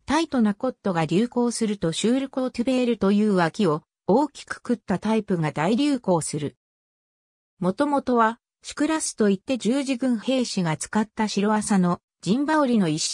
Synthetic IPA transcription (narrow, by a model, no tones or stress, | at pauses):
t̪ait̪o̞nako̞t̪ːo̞ɡaɾʲɨːko̞ːsɨɾɯ̟t̪o̞ɕɨːɾʲokoːt̪ɯbe̞ɾɯ̟t̪o̞jɯ̟ːβakʲio̞ | oːkʲi̥kɯ̥kɯ̟t̪ːat̪aipɯ̟ɡad̪aiɾʲɨːko̞ːsɨɾɯ̟ | mo̞t̪o̞mo̞t̪o̞βa | ɕi̥kɯ̟ɾasɨ̥t̪o̞it̪ːe̞d͡ʑɨːʑiɡɯ̟̃ɰ̃he̞ːɕiɡat͡sɨ̥kat̪ːaɕiɾo̞βasano̞ | d͡ʑĩmbaoɾʲino̞iɕ